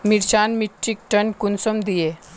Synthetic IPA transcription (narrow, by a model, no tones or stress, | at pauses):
miɾɕanmiʈːik̚ʈəɳkunsəmd̪ije